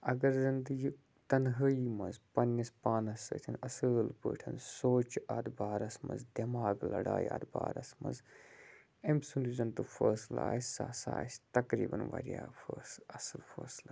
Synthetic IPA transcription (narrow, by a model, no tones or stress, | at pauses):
ɐɡɐɾzind̪ɨɡi | t̪ɐnɦəimɐnzpɐnːɐspaːnɐsə̰ːt̪ʰɐnɐsəːlpə̰ːʈʰɐnsoːt͡ʃɐd̪baːɾɐsmɐ̰nzd̪ɐmaːɡlɐ̰ɽaːja̰d̪baːɾɐsmɐ̰nz | emsunizɐnt̪ufəːsla̰ːsaːsa̰ːst̪ɐkɾḭːbɐ̰nʋɐ̰ɾjaːfʰəːsɐsɐlfɐːsla